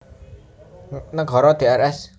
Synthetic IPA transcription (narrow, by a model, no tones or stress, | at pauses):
naɡʱɔɾɔd̪eaɾɛs